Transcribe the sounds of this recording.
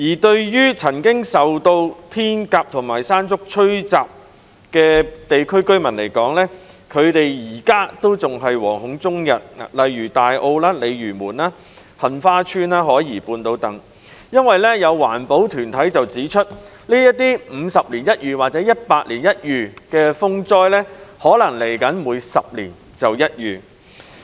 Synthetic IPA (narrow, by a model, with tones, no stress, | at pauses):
jiː˨˩t̪ɵ˧ɥjyː˥t͡sʰɐ˨˩nkɪ˥ŋsɐ˨wt̪o˧wt̪ʰiː˥nkaː˧p̚t̪ʰʊ˨˩ŋmaː˨˩jsaː˥nt͡sʊ˥k̚t͡ʃʰɵ˥ɥt͡saː˨p̚ | kɛː˧t̪e˨jkʰɵ˥ɥkɵ˥ɥmɐ˨˩nle˨˩jkɔː˨˥ŋlɛː˥kʰɵ˨˧ɥt̪e˨jjiː˨˩kaː˥t̪o˥wt͡sʊ˨ŋɦɐ˨jwɔ̰ː˨˩ŋhʊ˨˥ŋt͡sʊ˥ŋjɐ˨t̚a̰˨lɐ˨jɥyː˨˩t̪aː˨jʔo˧wlaː˥le˨˧jɥyː˨˩muː˨˩naː˥ | hɐ˨nfaː˥t͡ʃʰyː˥naː˥ɦɔː˨˥jiː˨˩puː˧nt̪o˧wt̪ɐ˨˥ŋ | jɐ˥nwɐ˨jlɛː˥jɐ˨˧wwa̰ː˨˩npo˨˥wt̪ʰyː˨˩nt̪ʰɐ˨˥jt͡sɐ˨wt͡siː˨˥t͡ʃʰɵ˥t̚ | liː˥jɐ˥t̚t̪ːiː˥m̩˨˧sɐ˨p̚liː˨˩njɐ˥t̚jyː˨waː˨k̚t͡sɛː˨˥jɐ˥t̚paː˧t̚liː˨˩njɐ˥t̚jyː˨kɛː˧fʊ˥ŋt͡sɔː˥jlɛː˥hɔː˨˥lɐ˨˩ŋle˨˩jkɐ˨˥nmuː˨˧jsɐ˨p̚lḭː˨˩n | t͡sɐ˨wjɐ˥t̚jyː˨